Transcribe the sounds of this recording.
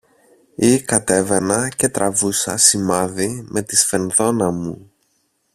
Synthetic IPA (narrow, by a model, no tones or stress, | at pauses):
ikɐt̪e̞ve̞nɐce̞t̪ɾɐvusɐ̰simɐðimʔe̞t̪isfe̞nðo̞nɐmu